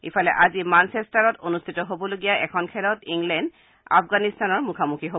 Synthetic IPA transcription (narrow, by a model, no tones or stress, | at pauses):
ḭfʰɔlɛʔazimansestaɹɔtonust̪ʰitɔɦobɔloɡijaʔɛkʰɔnkʰɛlɔtiŋlɛnd | a̰fɡanist̪anɔɹmukʰamukʰiɦo